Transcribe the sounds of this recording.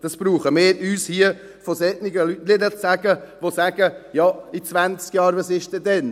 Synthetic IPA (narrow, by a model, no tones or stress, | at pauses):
d̥ɑsb̥ɾuːχəmeːyːshiə | fosɛtnɪɡəlytlɪdət͡sːæɡəʋosæɡ̥əjɑit͡svænt͡skjɑːɾʋɑsɪʃd̥ɛdɛn